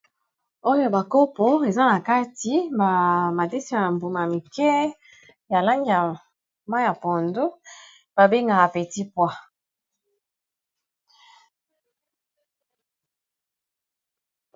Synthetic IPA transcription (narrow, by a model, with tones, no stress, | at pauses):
o˦jo˨ba˨ko˦po˦e˨za˦na˨ka˦ti˨ba˨ma˨de˦si˦ja˨mbo˨ma˨a˨mi˨kɛ˦ | ja˨la˦ŋɡi˨ja˨ | ma˦ja˨po˨ndo˦ | b̥a˨be˦ŋɡa˨a˨pe˨ti˦pwa˦